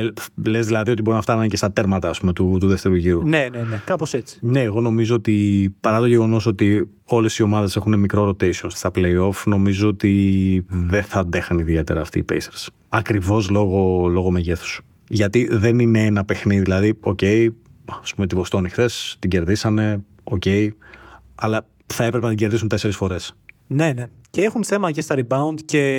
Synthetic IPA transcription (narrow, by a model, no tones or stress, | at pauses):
le̞zðilɐðioibo̞ɾinɐft̪ɐnuncest̪ɐt̪e̞ɾmɐt̪ɐːspume̞t̪ut̪uðeft̪e̞ɾuʝiɾunenenekɐposet͡si̥ne̞ːɣo̞no̞mizo̞ot̪ipɐɾɐt̪o̞ʝe̞ɣo̞no̞so̞t̪i | o̞le̞sio̞mɐðe̞se̞xune̞mikɾo̞ɾo̞t̪e̞sio̞nst̪ɐple̞jo̞fno̞mizo̞ot̪i | ðeθɐnd̪e̞xɐniðie̞t̪e̞ɾɐːft̪ḭːpejseɾs | ɐkɾivo̞zlo̞ɣo̞lo̞ɣo̞me̞ʝe̞θu̥s | ʝɐt̪iðe̞nine̞enɐpe̞xniðiðilɐðio̞ce̞iɐspume̞t̪ivo̞st̪onixθe̞st̪iɟe̞ɾðisɐne̞ | o̞ce̞i | ɐlɐ | θɐepɾepe̞nɐt̪iɲɟe̞ɾðisunt̪e̞se̞ɾisfo̞ɾe̞sne̞ne | ceexunθe̞mɐʝst̪ɐɾibɐund̪ce̞